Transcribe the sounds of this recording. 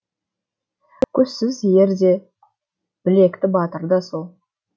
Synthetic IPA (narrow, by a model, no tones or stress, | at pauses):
kʲʰɵz̥sɪzejʲeɾd̪e̞ | b̥ɪle̞kt̪ɪbɑt̪əɾd̪ɑsolˠ